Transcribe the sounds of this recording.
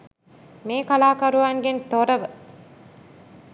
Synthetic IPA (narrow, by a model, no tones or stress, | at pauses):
meːkalaːkɐɾuʋaːŋɡent̪oɾɐʋə